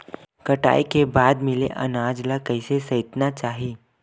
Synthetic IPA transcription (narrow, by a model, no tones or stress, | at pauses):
kɐʈa̰ːikebaːd̪mɪlḛʔɐ̰naːd͡ʒlakɐɪsesɐɪt̪nat͡ʃaːɦiː